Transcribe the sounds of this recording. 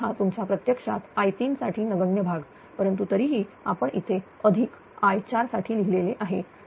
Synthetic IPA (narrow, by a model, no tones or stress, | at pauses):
ɦat̪umt͡ɕapɾət̪jəkʂa̰t̪ajt̪iːnsaʈʰiːnəɡəɳjəbʱaɡ | pəɾənt̪ut̪əɾiːɦiː | a̰pəɳḭt̪ʰeəd̪ʱiːk | ajt͡ɕaɾsaʈʰiːliɦileleʔaɦe